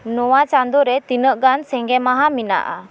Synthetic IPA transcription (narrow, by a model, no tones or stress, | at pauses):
nɔwat͡ʃand̪ɔɾɛt̪inəʔɡansɛŋɡɛmaɦamina̰ʔa̰